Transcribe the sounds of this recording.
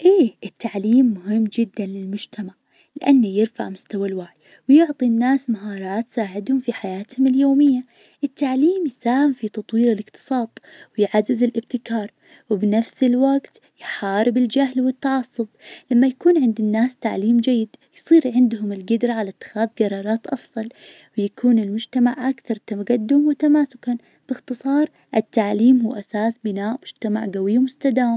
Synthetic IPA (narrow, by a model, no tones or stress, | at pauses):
ʔeːʔɪt̪ːaʕliːmːʊɦɪmːd͡ʒɪd̪ːanlɪlmʊd͡ʒt̪ʰamaʕ | lɪʔanːajɪɾfa̰ʕmʊst̪awalwaʕj | wjʊʕt̪ˤinːaːsmaɦɑːɾˤɑːt̪saːʕɪd̪hʊmfiħajaːt̪hʊmɪljoːmɪjːa | ʔɪt̪ːaʕliːmjsaːhɪmfit̪ɑt̪ˤwiːɾɪlʔɪqt̪ɨ̥sˤɑːt̪ˤwɪjʕazːɪzɪlʔɪb̚t̪ɪkɑːɾˤ | wɪbnafsɪlwaɡt̪ | jħɑːɾɪbɪld͡ʒaɦlwɪt̪ːɑʕɑsˤːʊblamːajakuːnʕɪnd̪ɪnːaːst̪aʕliːmd͡ʒajːɪd̪jsˤiːɾʕɪnd̪hʊmɪlɡɪd̪ɾˤaʕalat̪ːɪ̥xaːðɡɑɾˤɑːɾˤɑːt̪ʔɑfðˤɑl | wɪjakʰuːnɪlmʊd͡ʒt̪amaʕʔakθɑɾˤt̪aɡad̪ːʊmwɪt̪amaːsʊkan | b̥ɪxt̪ɨsˤɑːɾˤ | ʔɪt̪ːaʕliːmhuːʔasaːsbɪnaːʔmʊd͡ʒt̪ama̰ʕɡawɪjːawmʊst̪ad̪aːma